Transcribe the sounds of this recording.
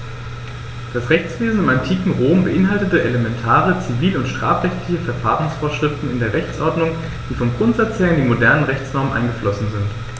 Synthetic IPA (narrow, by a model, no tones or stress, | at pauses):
d̥asʁɛçt͡sv̥eːzn̩ɪmantʰiːkŋ̩ʁoːmbəʔɪnɦaltətəʔelemɛntʰaːʁ̞ət͡siviːlʊntʃtʁ̥a̰ːfʁɛçtlɪçəfɛɐfaːʁʊŋsfoːɐʃʁ̥ɪftn̩ɪndeːʁɛçt͡sʔɔɐdnʊŋ | d̥iːfɔmɡʁʊntz̥at͡sheːɐɪndiːmodɛɐnənʁɛçt͡snɔɐmənʔa̰ɪnɡəflɔsn̩zɪnt